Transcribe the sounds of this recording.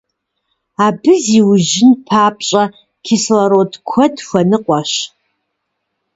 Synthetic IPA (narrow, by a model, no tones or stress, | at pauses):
aːbɨziwʒɪnpʰaːp̚ʰɕʼɐ | kʲʰɪslɐɾodkʷʰɔdxʷɐnɨqʷʼɑʃ